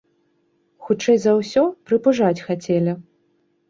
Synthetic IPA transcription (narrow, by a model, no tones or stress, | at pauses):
xut͡ʂɛjzɐwsʲɔpɾɨpuʐat͡sʲxat͡sʲɛlʲi